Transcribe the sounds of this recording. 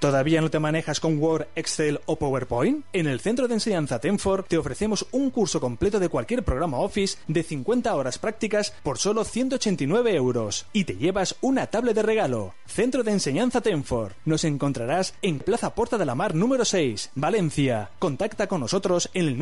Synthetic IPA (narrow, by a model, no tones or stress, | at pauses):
t̪o̞ðaβiano̞t̪emãne̞xasko̞ŋwo̞ɾeksθelo̞poweɾpojne̞nelθe̞nt̪ɾoðense̞ɲãn̟θat̪e̞ɱfo̞ɾt̪e̞o̞fɾe̞θe̞mo̞suŋkuɾso̞ko̞mple̞t̪o̞ðe̞kwalkje̞ɾpɾo̞ɣ̞ɾamao̞fisd̪e̞θiŋkwe̞nt̪ao̞ɾaspɾak̚t̪ikaspo̞ɾso̞lo̞θjnt̪ot͡ʃe̞nt̪inwe̞β̞e̞ewɾo̞sit̪e̞ʝe̞βasunat̪aβle̞ðe̞re̞ɣalo̞̰ | θe̞nt̪ɾoðense̞ɲãn̟θat̪e̞ɱfo̞ɾno̞se̞ŋko̞nt̪ɾaɾase̞ŋplaθapo̞ɾt̪aðe̞lamaɾnũme̞ɾose̞jsbale̞nθjako̞nt̪akt̪ako̞nːo̞so̞t̪ɾo̞se̞nel